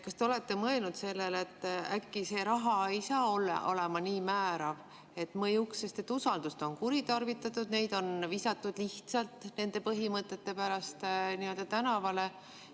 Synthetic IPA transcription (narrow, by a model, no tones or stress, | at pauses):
kɑst̪e̞o̞le̞t̪ːe̞mɤelnud̪se̞lːelet̪ːækːise̞ːɾɑɦɑejsɑːolːɑ̰ʔo̞̰le̞mɑniːmæːɾɑv | e̞t̪ːmɤjukse̞st̪e̞t̪ːusɑld̪̥ust̪o̞nkuɾit̪ɑrvit̪ːˑɑt̪ːˑud̪̥ne̞jd̪̥o̞nvisɑt̪ːˑud̪̥liht̪sɑlt̪ne̞nd̪e̞pɤɦimɤt̪ːˑe̞t̪ːe̞pæɾɑst̪niːø̞ld̪̥ɑt̪ænɑvɑle̞